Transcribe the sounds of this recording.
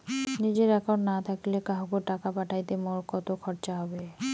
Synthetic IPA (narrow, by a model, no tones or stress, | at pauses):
nid͡ʑeɾɛkoɖnat̪ʰakilekaɦokoɾʈakapaʈʰajt̪emoɾkɔt̪okʰɔɾt͡ɕaɦɔbe